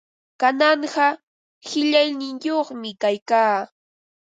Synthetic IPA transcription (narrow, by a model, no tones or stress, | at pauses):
kanɑɴɢɑ | hɪʎajnɪŋjoχmɪkajkaː